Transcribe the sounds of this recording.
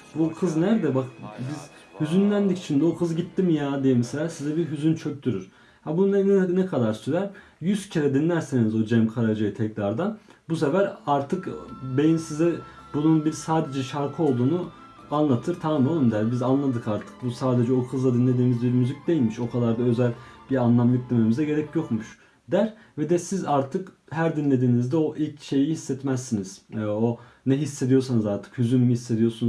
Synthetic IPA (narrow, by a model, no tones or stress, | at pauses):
bukʰɯznæɾd̪ɛbakbiz | hyzynlʲænd̪ici̥t͡ʃʰind̪ɛokʰɯzɟit̪ʰːimjaːd̪ijɛmɛselʲaːsizɛbiɾɦyzynt͡ʃʰø̞c̚t̪ʰyɾyɾ̥ | habunnɛnɛkʰad̪aɾsyɾæɾ | jyzcʰiɾɛd̪inlʲæɾsenizo̞d͡ʒɛmkʰaɾad͡ʒajɯt̪ʰɛcɾaɾd̪abusefæɾaɾt̪ʰɯkbejimsizɛ | bununbiɾsaːd̪e̞d͡ʒɛʃaɾkʰɯo̞lˠd̪uːnu | anlˠat̪ʰɯɾt̪ʰaːmˠolˠɯmd̪æɾbizanlˠad̪ɯkaɾt̪ʰɯ̥k̚busaːd̪e̞d͡ʒɛokʰɯzlˠad̪inlʲe̞d̪iːmizbiɾmyzic̚d̪e̞jilʲmiʃo̞kʰad̪aɾd̪aø̞zælʲbiɾanlˠamlˠɯkd̪ememizɛɟe̞ɾɛcjo̞kmuʃ | d̪æɾ | vɛd̪ɛsizaɾt̪ʰɯkɦæɾd̪inlʲe̞d̪iːnizd̪ɛo̞ʔilʲcʃe̞jihisːɛt̪mæsːiniz̥o | nɛɦisːe̞d̪ijo̞ɾsanɯzaɾt̪ʰɯ̥khyzynymihisːe̞d̪ijoɾsun